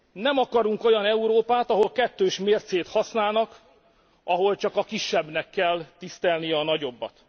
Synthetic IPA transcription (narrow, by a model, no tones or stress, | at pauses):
nɛmɒkɒɾuŋko̞jɒnɛuɾoːpaːt̪ɒɦo̞lkɛt̪ːøːʃmeːrt̪seːt̪hɒsnaːlnɒk | ʔɒɦo̞lt͡ʃɒkɒkiʃːɛbnɛkːɛlt̪ist̪ɛlnijɛɒnɒɟo̞bːɒ̰t̪